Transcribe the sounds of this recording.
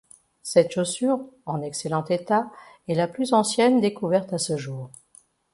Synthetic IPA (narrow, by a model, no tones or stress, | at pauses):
sɛt̪ʃosyʁɑ̃nɛkselɑ̃t̪et̪a | ɛlaplyzɑ̃sjɛnd̪ekuvɛʁt̪asəʒuːʁ